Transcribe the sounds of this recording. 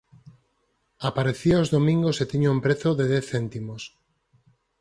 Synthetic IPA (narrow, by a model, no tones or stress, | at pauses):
apaɾeθiaozðomĩŋɡoset̪iɲoumpɾeθoðeðɛθent̪imos